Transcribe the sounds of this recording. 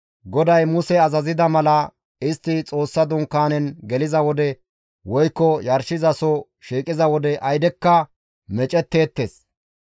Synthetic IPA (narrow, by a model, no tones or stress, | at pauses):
ɡɔd̪ɐjmʊsɛɐzɐzɪd̪ɐmɐlɐ | ɪst̪ːɪt͡sʼo̞ːsːɐd̪ʊŋkːaːnɛnɡɛlɪzɐwɔd̪ɛ | wɔjkːɔjɐɾʃɪzɐsɔ | ʃiːkʼɪzɐwɔd̪ɛʔɐjd̪ɛkːɐ | mɛt͡ʃʼɛt̪ːeːt̪ːeːs